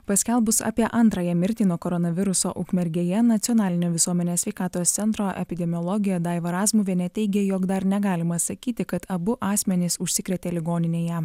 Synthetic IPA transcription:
pɐsʲkʲɛlˠbʊsɑ̰ːpʲiɛʔɐnˑt̪ɾɐjɛmʲɪɾʲt̪ʲiːnuɔkoɾɔnɐʋʲɪɾʊso̰ːʔʊkmʲɛɾʲɡʲeːjɛnɐt̪sʲɪɔnɑːlʲɪnʲoːʋʲɪsuɔmʲɛnʲeːsʲʋʲɛɪkɑːt̪oːst̪sʲɛnt̪ɾoːʔɛ̰pʲɪd̪ʲɛmʲɪjɔlˠɔɡʲɪjɛd̪ɑɪʋɐɾɑːzmuʋʲeːnʲɛt̪ʲɛɪɡʲɛjoːkd̪ɐɾnʲɛɡɑːlʲɪmɐsɐkʲiːt̪ʲɪkɐt̪ɐbʊʔɑːsʲmʲɛnʲɪsʊʃʲsʲɪkɾʲɛt̪ʲeːlʲɪɡoːnʲɪnʲeːjɛ

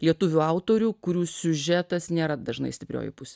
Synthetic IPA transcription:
lʲiɛt̪ʊʋʲʊɐʊt̪oːɾʲuːkʊɾʲuːsʲʊʒʲɛt̪ɐsnʲeːɾɐd̪ɐʒnɐ̰ɪsʲtʲɪpʲɾʲo̰ːjʊ̰pʊsʲeː

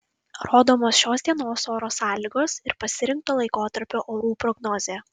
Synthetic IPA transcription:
ɾoːd̪oːmoːsʃʲoːsd̪ʲiɛnoːsoːɾoːsɑːlʲiːɡoːsɪɾpɐsʲɪɾʲɪŋk̚t̪oːlˠɐɪkoːt̪ɐɾʲpʲoːʔoːɾuːpɾɔɡnɔːzʲeː

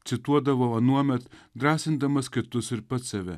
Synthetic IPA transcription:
t̪sʲɪt̪uɔd̪ɐʋoːɐnuɔmʲɛt̪d̪ɾɑːsʲɪnd̪ɐmɐskʲɪt̪ʊsɪɾpɐt̪sɐʋʲɛ

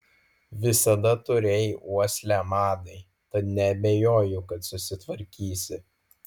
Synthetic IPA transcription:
ʋʲɪsɐd̪ɐt̪ʊɾʲejuɔsʲlʲæmɑːd̪ɐɪ | t̪ɐt̪nʲɛɐbʲejoːjʊkɐt̪sʊsʲɪt̪ʋɐɾʲkʲiːsʲɪ

